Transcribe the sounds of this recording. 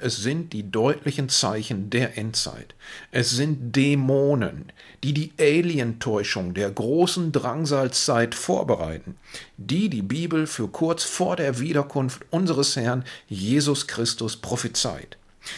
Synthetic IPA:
ʔɛsz̥ɪnt̚d̥iːdɔʏtʰlɪçn̩t͡sa̰ɪçn̩deːɐʔɛntt͡sa̰ɪtʔɛsz̥ɪnt̚d̥emoːnə̰nd̥iːdiːʔeɪliəntʰɔʏʃʊŋdeːɐɡʁoːsn̩dʁaŋzaːlst͡saɪtfoːɐbəʁa̰ɪtn̩d̥iːdiːbiːbl̩fyːɐkʰʊɐt͡sfoːɐdeːɐviːɾɐkʰʊnftʔʊnzəʁəshɛɐnjeːzʊskʁ̥ɪstʊspʁ̥ofət͡sa̰ɪt

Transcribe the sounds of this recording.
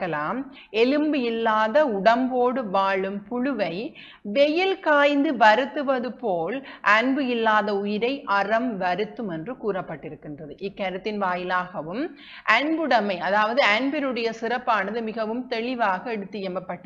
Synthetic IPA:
kːɐlaːm | ɛlɯmbɯɪlːaːðɐʊɽɐmboːɽɯʋaːɭɯmpʊɻɯʋɐɪ | ʋɛjɪlkaːjnd̪ɯʋɐɾɯt̪ːɯʋɐðɯpoːlʔɐɳbɯɪlːaːðɐʊjɪɾɐɪʔɐrɐmʋɐɾɯt̪ːɯmɛndrɯkuːrɐpːɐʈːɪɾɯkːɪndrɐðɯʔɪkːɐɾɯt̪ːɪnʋaːjɪlaːɣɐʋɯm | ʔɐɳbɯɽɐmɐɪɐðaːʋɐðɯɐɳbɪɾɯɽɐjɐsɪɾɐpːaːnɐðɯmɪɣɐʋɯmt̪ɛɭɪʋaːɣɐɛɽɯt̪ːɪjɛmɐpːɐʈː

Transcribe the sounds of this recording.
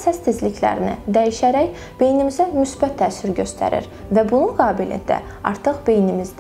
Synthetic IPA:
sæst̪ːizlicʰlæ̰ɾinḭd̪æjiʃæɾæj | b̥e̞jnimizæmysbæt̪ʰːæːsyɾɟø̞st̪ʰæ̰ɾḭɾ | væbununɡɑːbilḭnd̪æ̰ | ɑ̰ɾt̪ʰɯχb̥e̞jnimiz

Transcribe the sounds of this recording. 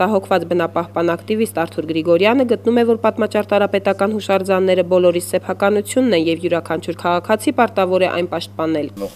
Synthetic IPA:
t̪ɑɦɔkʰvɑt͡sbənɑpɑhpɑnɑkt̪ivist̪ɑɾt̪ʰuɾɡɾiɡɔɾjɑnəɡət̪numɛvɔɾpɑt̪mɑt͡ʃɑɾt̪ɑɾɑpɛt̪ɑkɑn̪huʃɑɾd͡zɑnːɛɾəbɔlɔɾissɛpʰɑkɑnut͡sʰjunːɛnjɛvjuɾɑkʰɑnt͡ʃʰuɾkʰɑʁɑkʰɑt͡sʰipɑɾt̪ɑvɔɾɛʔɑ̰jnpɑʃt̪̚pɑnɛl

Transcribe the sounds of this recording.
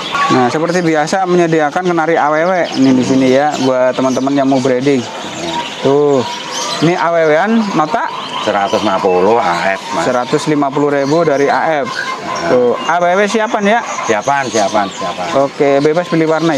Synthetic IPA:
nasəpərt̪ibiasaməɲədiakankənaɾiawewenɪdis̬inijabuat̪əmənt̪əmənjaŋmubɾedɪŋ | t̪ʊh | niʔaweweanːot̪aʔ | səɾat̪ʊsmapulʊhaɛfmasəɾat̪ʊslimapuluhɾebudaɾiaʔɛfʊawewesiapanjasiapansiapansiapaokebebaspiliwarna

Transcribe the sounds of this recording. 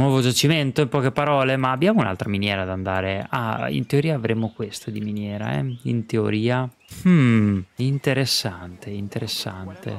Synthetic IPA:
nwɔːvod͡ʒat͡ʃiment̪oimpɔːkepaɾɔːlemaːbːjaːmounalt̪ɾaminjɛːɾad̪and̪aːɾea̰ḭnt̪eoɾiːaːvɾemokwest̪ad̪iminjɛːɾa̰ɛ̰ḭnt̪eo̰ɾiːa | m̩int̪eɾesːant̪eint̪eɾesːa̰nt̪ḛ

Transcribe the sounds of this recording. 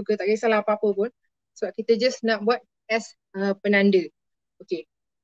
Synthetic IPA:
uɡət̪aʔɡisalaapəapəpʊn | səbap̚kit̪əd͡ʒasnaʔ̚bwat̪̚ | ɛs | əpənãndə | oke

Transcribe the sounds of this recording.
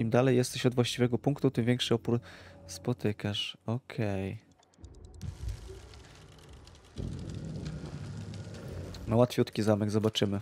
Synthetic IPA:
imd̪alɛjːɛst̪ɛɕɔd̪vwaɕt͡ɕivɛɡɔpuŋkt̪ut̪ɘmvʲɛŋkʂɘɔpuɾspɔt̪ɘkaʂɔkʰɛj | nawat̪fʲjut̪kʲizamɛɡzɔbat͡ʂɘmɘ

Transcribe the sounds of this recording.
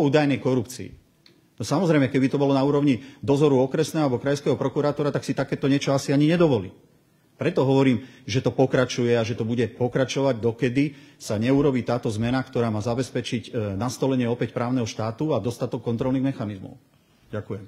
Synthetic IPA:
uːd̪ajnɛjkɔɾupt͡sḭḭ | nɔsamɔzɾɛjmɛkɛbit̪ɔbɔlɔnauːɾɔʊɲid̪ɔzɔɾuɔkɾɛsnɛːɦɔalbɔkɾajskɛːɦɔpɾɔkuɾaːt̪ɔɾat̪aksit̪akɛːt̪ɔɲɪɛt͡ʃɔasiaɲiɲɛd̪ɔʋɔlḭː | pɾɛt̪ɔɦɔʋɔɾiːmʒɛt̪ɔpɔkɾat͡ʃujɛaʒɛt̪ɔbuɟɛpɔkɾat͡ʃɔʋaɟd̪ɔkɛd̪isaɲɛuɾɔbiːt̪aːt̪ɔzmɛnakt̪ɔɾaːmaːzabɛspɛt͡ʃiɟnast̪ɔlɛɲɪɛɔpɛcpɾaːʊnɛɦɔʃt̪aːt̪uad̪ɔst̪at̪ɔkːɔnt̪ɾɔlniɣmɛxanizmɔ̰ʊ | ɟakujɛm

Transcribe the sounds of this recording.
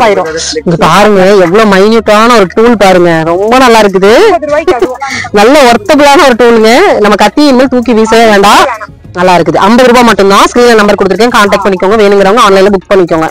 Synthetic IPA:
aːɪɾõɪŋɡɐpaːɾɯŋɡɐɛʋːɐɭoːmɐɪnjuːʈːaːnɐɔɾɯʈuːlpaːɾɯŋɡɐɾɔmbɐnɐlːaːɪɾɯk̬ːɯðɯ | nɐlːɐɔɾt̪ːɐpːɯlaːnɐɔɾɯʈuːlɯŋɡɐnɐmːɐkɐt̪ːiɪnmɪlʈuːk̬ːiʋiːsɐʋeːɳɖaː | nɐlːaːɪɾɯkːɯðɯʔɐmbɐðɯɾuːbaːmɐʈːɯnd̪ãːskɾiːnlɐnɐmbɐɾkɔɽɯt̪ːɾkːẽːkaːɳʈɐːk̚ʈ̚pɐɳːɪkʲːõːŋɡɐʋeːnɯŋɡɪɾɐʋɯŋɡɐaːnlɐɪlɐbʊkːpɐɳːɪkːõːŋɡɐ

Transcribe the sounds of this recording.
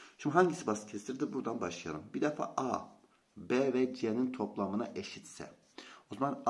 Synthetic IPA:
ʃimiɦaɲɟisibasɯ̥cʰesiɾd̪ibuɾd̪anbaʃlˠɯja̰ɾɯmbid̪ɛfa̰ʔa | bɛvɛd͡ʒenint̪ʰo̞plˠamɯna̰ʔeʃit̪sɛ̰ | ozaman

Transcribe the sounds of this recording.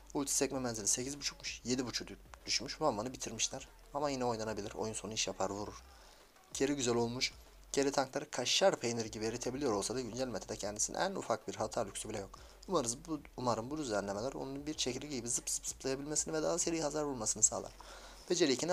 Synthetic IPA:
ulʲt̪ʰi̥sɛcmɛmɛnzilʲise̞cʰizbut͡ʃʰukmuʃje̞d̪ibut͡ʃʰukd̪d̪̥yʃmyʃvambanɯbit̪ʰiɾmiʃlʲaɾ̥ | amajinɛo̞jnanabilʲiɾo̰junso̞nuiʃjapʰaɾvuɾuɾ̥ | ɟ̥ʰe̞ɾiɟyzælʲo̞lˠmuʃ | ɟ̥e̞ɾit̪ʰaŋklˠaɾɯkʰaʃːaɾpʰejniɾɟibieɾit̪ʰebilʲijo̞ɾo̞lˠsad̪aɟynd͡ʒælʲmet̪ʰd̪ɛcʰɛnd̪isinḭʔæ̰nṵfak̚biɾɦalˠt̪ʰaɾlʲycʲsybilʲɛjo̞k | umaɾɯzbuumaɾɯnbud̪yzlʲɛnlʲemelʲæɾo̰nununbiɾʃʰecʰilʲiɟiibizɯpz̥ɯ̥pz̥ɯplˠajabilʲmesinivɛd̪aːseɾijhazaɾbulˠmasɯnɯsa̰ːlˠa̰ɾ | bed͡ʒeɾicʰin

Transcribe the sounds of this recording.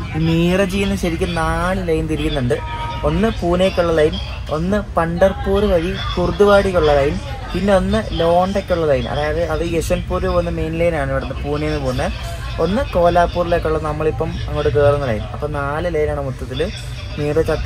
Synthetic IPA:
imiːrɐt͡ɕijːunːɐɕɐɾikʲːɨnaːlɨlɐjumt̪iɾikʲːunːuɳɖɨ | o̞nːɨpuːnɐjkʲːuɭːɐlɐjum | o̞nːɨpɐɳɖɐrpːuːrɨʋɐɻikurd̪uʋaːɽikːuɭːɐlɐjm | pinːe̞o̞nːɨlo̞ːɳɖekʲːuɭːɐlɐjunɐ̰ðaːjɐðɨɐðɨesɐnpuːɾuonːɨme̞jnlɐjnaːɳɨiʋiɽɐnːɐpuːnɐjɐnːɨpoːnːɐ | o̞nːɨko̞ːlaːpːuːrile̞ːkʲːuɭːɐɨnɐmːɐɭipːɐmɐ̰ŋːoːɽɨk̬e̞ːrunːɐlɐ̰jumɐpːɐmnaːlɨlɐjɐnaːɳɨmut̪ːɐt̪ːil | miːrɐt͡ɕɐt̪ː

